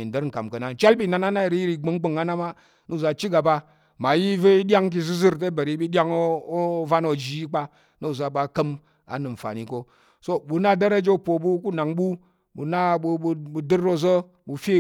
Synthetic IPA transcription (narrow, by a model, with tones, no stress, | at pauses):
i˨n˨də˦ɾŋ̩˨ka̰˨mkə˨na˨n˨˦t͡ʃa˦lbi˦˨na˨na˦na˦i˨ɾi˦i˦ɾi˨ɡ͡bə˨˦ŋ˦ɡ͡bə˨ŋa˦na˦ma˦ | no˦˨za˨t͡ʃi˦ɡa˨ba˦ | ma˨ji˦və˦i˦dʲa˦ŋk̬i˧zɨ˦zɨ˦ɾt̬e˦bə˨ɾi˨˦bi˦dʲa˦ŋo˦o˦va˦no˨d͡ʒi˦k͡pa˦ | no˦˨za˨ba˨˦kə˦m | a̰˨nɨ˨m̩˨fa̰˨ni˨ko˦ | so˦ɓu˨na˦˨də˦ɾa˦d͡ʒe˦po˨ɓu˦ku˦na˨ŋɓu˦ | ɓṵ˨na˦ɓbu˨dɨ˦ɾo˦zə˦ | bu˨fe˦